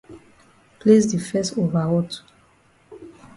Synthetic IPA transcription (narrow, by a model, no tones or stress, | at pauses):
plesdifɛsovaɔt